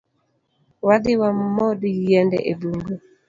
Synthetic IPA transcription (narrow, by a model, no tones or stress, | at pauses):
wadɪwammɔdijɛndɛ̰ʔebuŋɡu